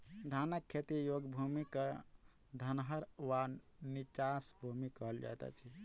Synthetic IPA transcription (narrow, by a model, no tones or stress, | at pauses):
d̪ʱanəkʰːet̪ijoɡbʱumikə | d̪ʱənɦəɾwanit͡ʃasbʱumikəɦəld͡ʒa̰t̪a̰t͡ʃʰi